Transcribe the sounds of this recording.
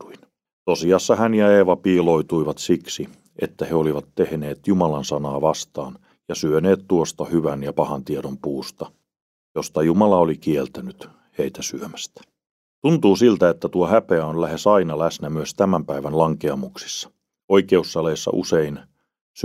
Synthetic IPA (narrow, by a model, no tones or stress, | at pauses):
uin | t̪osiɑsːɑhænjɑeːʋɑpiːloit̪uiʋɑt̪siksi | ʔḛt̪ːæheoliʋɑt̪tehneːt̪jumɑlɑnsɑnɑːʋɑst̪ɑːn | jɑsyøneːt̪t̪uost̪ɑhyʋænjɑpɑhɑnt̪ieɾompuːst̪ɑ | jost̪ɑjumɑlɑolikielt̪ænyt̪ | heit̪æsyømæst̪æ̥ | t̪unt̪uːsilt̪æet̪ːæt̪uohæpeæonlæhesɑinɑlæsnæmyøst̪æmæmpæiʋænlɑŋkeɑmuksi̥sːɑ̥ | oikeusːɑleisːɑ̰ʔṵsein | s